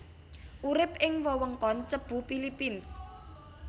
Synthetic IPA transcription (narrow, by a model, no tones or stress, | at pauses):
ʔuɾɪp̚ɪŋwɔwəŋkɔnt͡ʃəb̥ṳpilipins